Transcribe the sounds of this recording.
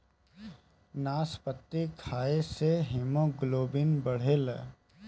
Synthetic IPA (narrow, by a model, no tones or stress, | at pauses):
naːspət̪ːikʰaːeseɦɪmõɡʊloːbɪnbəɽ̤eːl